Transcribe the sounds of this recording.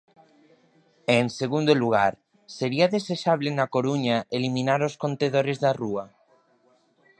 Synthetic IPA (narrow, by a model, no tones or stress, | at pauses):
eŋseɣund̪oluɣ̞aɾ | seɾiaðeseʃaβ̞lenakoɾuɲaelimĩnaɾoskont̪eð̞oɾezðarua